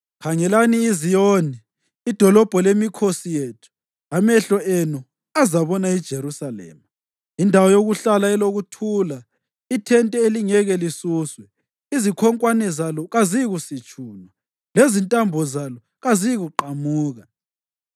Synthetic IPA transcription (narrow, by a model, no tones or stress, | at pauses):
kʰaŋɛlaniːzijoːniː | d̥ʱɔlɔb̥ʱɔlemikʰosijetʰu̥ | amɛɬɔenu | azaβɔnaid̥ʒ̥ʱeɾusalɛ̰ːma | indʱawɔjoɣuɬalaɛloɣutʰula | itʰɛntʼɛeliŋɛɣɛlisuːswɛ | izikʰɔŋkʼwanɛzalɔɣaziɣusit͡ʃʼuːnwa | lezintʼambʱɔzalɔ | ɣaziɣuǃamuːɣa